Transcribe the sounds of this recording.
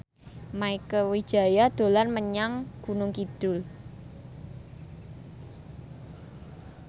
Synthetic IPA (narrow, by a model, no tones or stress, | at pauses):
maikəwi̥ʒ̥a̤jad̪̥o̤larməɲaŋɡ̥unʊŋkid̪̥ʊ̤l